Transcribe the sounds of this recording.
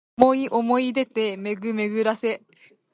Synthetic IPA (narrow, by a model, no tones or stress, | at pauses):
oiʔo̞mo̞id̪e̞t̪eme̞ɡɯ̟me̞ɡɯ̟ɾase̞